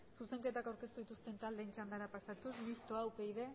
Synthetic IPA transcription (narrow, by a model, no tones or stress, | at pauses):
suse̞ŋke̞t̪akawɾke̞st̪uðit̪ust̪e̞nt̪ald̪e̞nt͡ʃand̪aɾapasat̪usmist̪oawpe̞iðe̞